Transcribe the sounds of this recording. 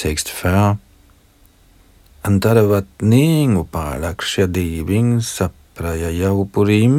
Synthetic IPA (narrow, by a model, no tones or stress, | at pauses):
sɛkst̪fa | ant̪aɾavat̪niːŋɡupaːlakʃjad̪iːviŋsapɾajajawpuɾim